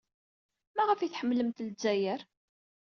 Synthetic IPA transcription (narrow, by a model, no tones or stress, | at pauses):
mæʁəfiθħəmːləmt̪lzːæjəɾ